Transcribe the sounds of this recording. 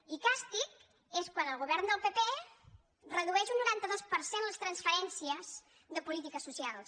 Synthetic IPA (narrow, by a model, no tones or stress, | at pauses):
ikast̪ik | eskwanəlˠɣuβɛɾnd̪əlˠpepe | rəðuɛʃunːuɾant̪əðɔspəɾsenləst̪ɾənsfəɾɛnsiəz | ðəpulit̪ikəsusialˠs